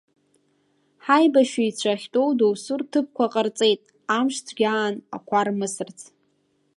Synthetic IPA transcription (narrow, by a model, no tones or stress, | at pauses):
ħajbaʃiit͡ɕʷʰaχʲtʼo̞wdowsʊrtʰɨp̚ʰkʷʰaqʼərt͡sʼe̞jtʼ | amʃt͡sʰɡʲaːna̰kʷʰarmɨsɨrt͡sʰʼ